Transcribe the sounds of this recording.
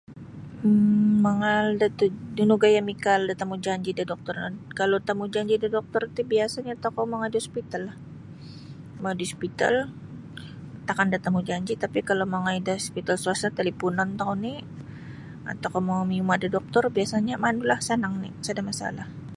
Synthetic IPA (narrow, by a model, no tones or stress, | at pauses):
aŋaldat̪udunuɡajamikaldat̪amud͡ʒaɲd͡ʒidadɔk̚t̪ɔrnakalot̪amud͡ʒaɲd͡ʒidadɔk̚t̪ɔrt̪ibiasaɲaːt̪akamaŋadiɔspit̪alah | maudispit̪a̰l | t̪akandat̪amud͡ʒaɲd͡ʒit̪apikalomaŋaidaspit̪alsuasat̪elipunɔnt̪auni | a̰t̪awkamaŋamiumadadɔk̚t̪ɔrbiasaɲamandulahsənaŋnisadamasa̰lah